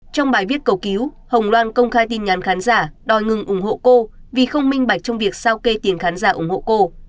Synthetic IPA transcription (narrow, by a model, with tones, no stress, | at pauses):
t͡ɕɔ˧wŋ͡mɓaː˨˩jvi˦˥ət̚kə˨˧˩wki˨˦w | hə˨˩wŋ͡mlwaː˧nkə˧wŋ͡mxaː˧jt̪i˧nɲaː˨˦nxaː˨˦nzaː˧˩ɗɔ˨˩jŋɨ˨˩ŋʔʊ˧˩ŋ͡mho̰˧˨ko˧vi˨˩xə˧wŋ͡mmï˧ŋ̟ɓa˨˩jk̚t͡ɕɔ˧ŋ͡mvi˨˩ək̚saː˧wke˧t̪i˨˩ənxaː˨˦nzaː˧˩ʔʊ˧˩ŋ͡mho̰˧˨ko˧